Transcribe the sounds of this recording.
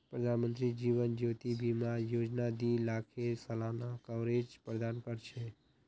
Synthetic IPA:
pɾəd̪ʱanmənt̪ɾid͡ʒiʋənd͡ʒot̪ibʱimãjod͡ʒnad̪ilakʰesəlanakəɾed͡ʒpɾəd̪ankəɾt͡ʃʰe

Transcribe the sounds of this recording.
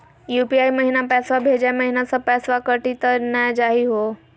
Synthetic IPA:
juːpiaiməɦinapɛːsʋabʱed͡ʒaməɦinasãpɛːsʋakəʈit̪ənad͡ʒaɦiɦo

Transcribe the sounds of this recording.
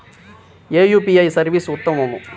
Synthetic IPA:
eːjuːpiɐjsɐɾʋiːsut̪ːɐmɐmu

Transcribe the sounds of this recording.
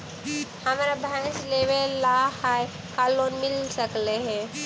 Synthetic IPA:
hamaɾabʱãsleʋeːahaj | kalːonmilsəkleɦe

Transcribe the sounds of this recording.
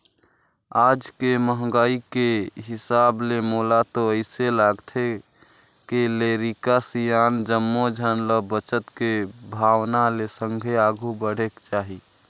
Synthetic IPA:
ad͡ʒkeməɦɡaikeɦisablemolat̪oəɪselaɡt̪ʰe | keleɾikasijand͡ʒəmːod͡ʒʱənləbət͡ʃət̪kebʱawnalesəŋɡʱeaɡʱubəɽ̤ekt͡ʃaɦi

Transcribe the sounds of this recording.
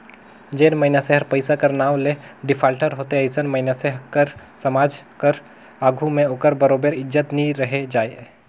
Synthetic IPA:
d͡ʒeːnməɪnaseɦəɾpəɪsakəɾnaːwleɖɪpʰaːlʈəɾɦoːt̪eɐɪsənməɪnaseɦkəɾ | səmaːd͡ʒkəɾ | aːɡʱumẽoːkəɾbəɾoːbəɾɪd͡ʒət̪nĩɾəɦed͡ʒaːj

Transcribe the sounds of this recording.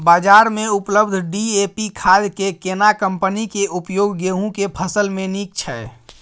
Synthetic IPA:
bad͡ʒaɾmeupləbd̪ʱɖiepikʰad͡ʒ̪kekenakəmpənikeʔupjoɡɡeɦũkepʰəsəlmenik̚t͡ʃʰɛ

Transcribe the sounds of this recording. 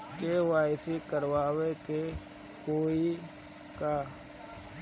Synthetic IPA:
kewaːɪsikəɾwaːweke | koːi | kaː

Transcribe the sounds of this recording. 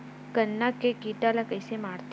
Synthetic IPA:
kənːakekiːʈalakəjsemaːɾt̪

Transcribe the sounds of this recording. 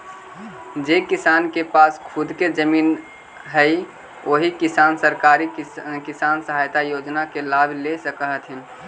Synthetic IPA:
d͡ʒekɪsaːnkepaːskʰʊd̪ʱked͡ʒəmiːn | ɦəi | ʔoːɦikɪsaːnsəɾkaːɾikɪsaːnsəɦaːjt̪ajoːd͡ʒnakelaːbʱlesəkəɦt̪ɦɪn

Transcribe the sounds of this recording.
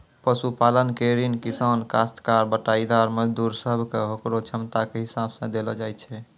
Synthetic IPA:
pəsupalənkeɾinkisankast̪kaɾbəʈaid̪aɔɾməd͡ʒd̪uɾsəbʱkeɦokɾot͡ʃʰəmt̪akeɦisabsə̃d̪elɔd͡ʒajt͡ʃʰɛ

